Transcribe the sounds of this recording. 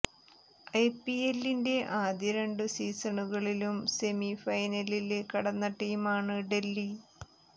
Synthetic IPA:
ɐjpielːinde̞ʔaːd̪jɐɾeɳɖɨsiːsɐɳuɣɐɭilumse̞mifɐjnɐlilkɐɽɐnːɐʈːiːmaːɳɨɖe̞lːi

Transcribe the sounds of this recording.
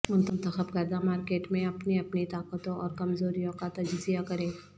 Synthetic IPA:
mʊnt̪ənt̪əxəbkɛːd̪amaːɾkeːʈmẽɐpniɐpnit̪aːkət̪õɔːɾkɐmzoːɾijõkat̪ɐd͡ʒɪzijakɐɾẽː

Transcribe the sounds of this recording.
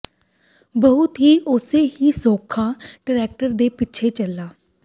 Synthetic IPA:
bəɦʊt̪ɦiːʔʊseːɦiːsoːkʰaːɖɪɾɛːk̚ʈəɾd̪eːpɪt͡ʃʰeːt͡ʃəlːaː

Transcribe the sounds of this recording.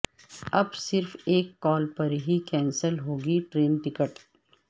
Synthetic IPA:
ɐbsɪɾfeːkːɔːlpɐɾɦikɛ̃ːnsəlɦoːɡiʈɾeːnʈɪkəʈ

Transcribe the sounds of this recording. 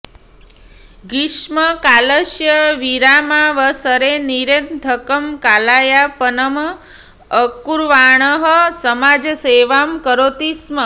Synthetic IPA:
ɡiʃməkaləʃjəʋiɾamaʋəsəɾeniɾend̪ʱəkəmkalajapənəm | əkuɾʋaɳ̃əɦəsəmad͡ʒəseʋamkəɾot̪ismə

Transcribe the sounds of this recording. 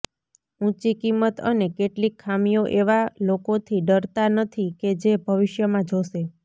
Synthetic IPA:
ũt͡ʃikimːət̪ənekeʈlikʰːamijoʔeʋalokot̪ʰiɖəɾt̪anət̪ʰiked͡ʒebʱəʋɪʃjəmãd͡ʒʱoʃe

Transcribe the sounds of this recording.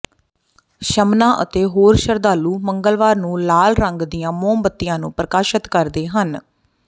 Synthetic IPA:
ʃəmnãːʔə̰t̪eːɦoːɾʃəɾd̪aːluːməŋɡəlʋaːɾnũːlaːlɾəŋɡd̪ɪjãːmõːmbət̪ːɪjãːnũːpɾəkaːʃət̪kəɾd̪eːɦən

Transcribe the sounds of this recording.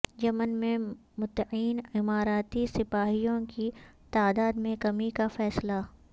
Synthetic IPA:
d͡ʒɐmənmẽmʊt̪ːiːnɪmaːɾaːt̪isɪpaːɦijõkit̪aːd̪aːd̪mẽkɐmikafɛːsla

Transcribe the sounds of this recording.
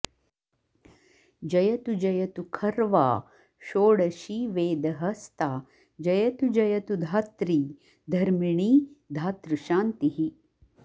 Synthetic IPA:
d͡ʒɐjɐt̪ud͡ʒɐjɐt̪ukʰɐɾʋa̰ː | ʃoːɽɐʃiʋeːd̪ɐɦɐst̪aː | d͡ʒɐjɐt̪ud͡ʒɐjɐt̪ud̪ʱaːt̪ɾiː | d̪ʱɐɾmiɳiːd̪ʱaːt̪ɾuʃaːnt̪iɦi

